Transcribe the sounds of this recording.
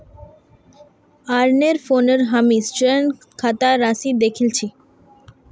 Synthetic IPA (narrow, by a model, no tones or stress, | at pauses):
aɾneɾfoneɾɦamist͡ɕen | kʰat̪aɾasid̪ekʰilt͡ɕʰi